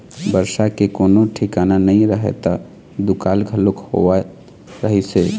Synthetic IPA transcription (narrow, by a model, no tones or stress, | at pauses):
bəɾsakekoːnoʈʰikananəĩɾəɦḛt̪a | d̪ukalɡʱəlokho̰a | ɾəɦise